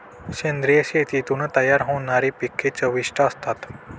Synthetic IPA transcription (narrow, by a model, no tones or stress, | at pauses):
ɕẽnd̪ɾijəɕet̪it̪unət̪ɐjaɾɦõnaɾipikʰːet͡ʃəʋiʃʈəəst̪at̪